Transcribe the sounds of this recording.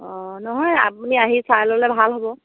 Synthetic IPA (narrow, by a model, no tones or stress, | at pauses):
ɔ̃nɔɦɔja̰puniaɦisalɔlɛbʱalɦɔbɔ